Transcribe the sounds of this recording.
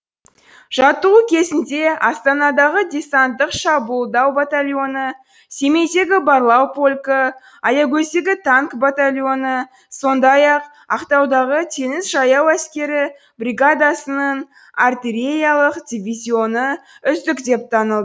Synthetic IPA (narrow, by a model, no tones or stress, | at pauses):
ʒ̥ɑt̪ukʲʰe̞zɪnd̪e̞ɑst̪ɑnɑd̪ɑʁəd̪ʲe̞sant̪ːəqʃɑbulˠd̪ɑwbat̪alʲjo̞nə | se̞me̞jt̪e̞ɡʲɪbarlˠɑwpʰo̞lʲkə | ɑjɑɡʲɵseɡʲɪt̪ʰaŋkbat̪alʲjo̞nə | so̞nd̪ɑjɑq | ɑqt̪ɑwd̪ɑʁət̪ʰenɪsʒɑjɑwæskʲe̞ɾɪ | bɾʲiɡad̪asənən | art̪ʲiɾʲe̞jalˠəqd̪ʲivʲizʲio̞nəʏzd̪ɪkd̪e̞p̚t̪ʰɑnəlˠd̪ə